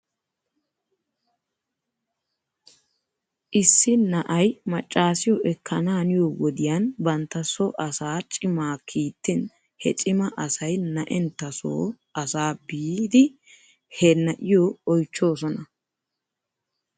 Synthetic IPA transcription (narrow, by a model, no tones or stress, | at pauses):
ʔɪsːɪnɐʔɐjmɐt͡ʃʼːaːsɪjɔʔɛkʰːɐnaːnɪjowɔd̪ɪjanbɐnt̪ːɐsɔʔɐsaːt͡ʃʼɪmaːkʰiːt̪ːɪn | hɛ̰t͡ʃʼɪmɐʔɐsɐjnɐʔɛnt̪ːɐso̰ː | ɐsaːbiːd̪ɪ | hɛnːɐʔɪjɔɔjt͡ʃːo̞ːs̬ɔnɐ